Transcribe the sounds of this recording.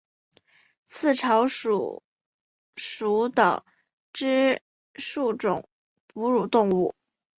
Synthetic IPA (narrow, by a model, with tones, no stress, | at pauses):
t͡sʰɹ̩˥˩ʈ͡ʂʰɑ˧˥ʊʂṵ˨˩ | ʂu˧˥d̪ə̰˨ | ʈ͡ʂɻ̩˥ | ʂu˥˩ʈ͡ʂʊ̰˨˩˦ŋ | pu˧˥ɻu˨˩t̪ʊ˥˧ŋu˥˩